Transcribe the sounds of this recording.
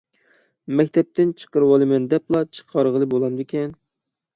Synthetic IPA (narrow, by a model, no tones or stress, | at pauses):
mɛkʲt̪ʰɛp̚t̪ɪnt͡ʃʰə̥qəɾwɑlˠɨmɛnd̪ɛplˠɑt͡ʃʰə̥qʰɑɾʁəlˠɨbolˠɑmd̪ekʲʰɛn